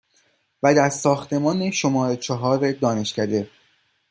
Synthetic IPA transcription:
væd̪æɾsɒːxt̪e̞mɒːne̞ʃo̞mɒːɾet͡ʃʰɒɦɒːɾed̪ɒːne̞ʃcæd̪e̞

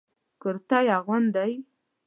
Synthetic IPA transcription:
kəɾt̪ajaɣwand̪aj

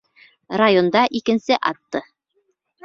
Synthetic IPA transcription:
rajond̪ɑʔikɘ̆nsɘʔɑt̪ːɤ

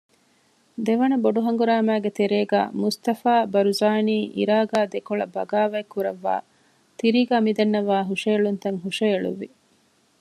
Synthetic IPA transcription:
d̪eʋɐnɐboɖuɦɐŋɡuɾaːmæːɡet̪eɾeːɡæ̰ːmust̪ɐfaːbɐɾuzaːniːʔḭɾaːɡæːd̪ekoɭɐbɐɡaːʋɐikːuɾɐʋːa̰ː | t̪iɾiːɡæːmid̪ɐnːɐʋaːɦuʂɐjɐɭunt̪ɐŋɦuʃɐjɐɭṵʋːi

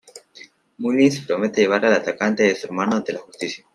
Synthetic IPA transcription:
mulinse̥pɾomet̪eʝeβ̞aɾalat̪akant̪eðesueɾmanoant̪e̞laxust̪isja

